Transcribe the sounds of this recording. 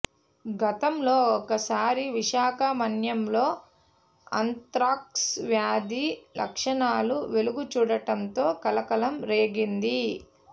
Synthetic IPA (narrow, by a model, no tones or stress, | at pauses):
ɡɐt̪ɐmlo̞ːɔkɐsaːɾiʋiʃaːkɐmɐnjɐmlo̞ː | ɐ̰nt̪ɾaːksʋjaːd̪ilʔɐ̰kʂɐɳaːluʋe̞luɡut͡ʃuːɽɐʈɐnt̪o̞ːkɐlɐkɐlɐmɾe̞ːɡind̪i